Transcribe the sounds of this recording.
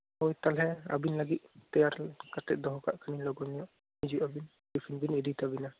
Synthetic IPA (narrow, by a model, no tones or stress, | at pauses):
ojt̪alɦɛa̰binlaɡit̪̚t̪ɛjaɾkat̪ɛʔ̪̚d̪ɔɦɔkaʔkʰanilɔɡɔnijɔʔ | nid͡ʒuʔabin | bipʰinbinidit̪abina